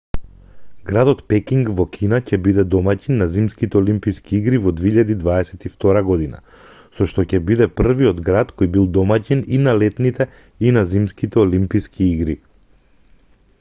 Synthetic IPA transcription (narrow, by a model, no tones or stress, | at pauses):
ɡɾad̪ɔt̪pɛkiŋɡvɔkʲʰinacɛbid̪ɛd̪ɔmacinːazimskit̪ɛɔlimpiskʰiiɡɾivɔd̪veiʎad̪id̪vaɛsɛt̪ift̪ɔɾaɡɔd̪ina̰ | sɔʃt̪ɔcɛbid̪ɛpr̩viɔd̪ɡɾat̪kɔjbilˠd̪ɔmacininalɛt̪nit̪ɛ | inazimskit̪ɛɔlimpiskʰiiɡɾi